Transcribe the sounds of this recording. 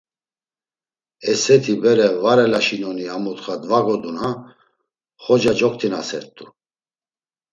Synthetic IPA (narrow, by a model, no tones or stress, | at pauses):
ɛsɛt̪ʰibɛɾɛvaɾɛlaʃinɔniamut̪χad̪vaɡɔd̪una | χɔd͡ʒad͡ʒɔk̚ʰt̪ʰinasɛ̰ɾt̪ʼu